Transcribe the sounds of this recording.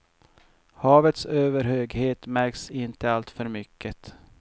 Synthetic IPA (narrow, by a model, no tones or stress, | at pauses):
hɑːvət̪søːvəɾhøːɡheːt̪mæɾksɪnt̪əalt̪fœɾmʏkʰːət̪